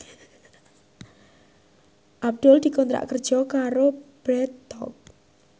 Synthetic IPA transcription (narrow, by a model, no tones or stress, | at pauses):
ʔab̚d̪̥ʊld̪̥i̤kɔnt̪ɾa̰ʔkərd̥ʒ̥ɔ̤kaɾob̥ɾɛt̪ːɔ̰k̚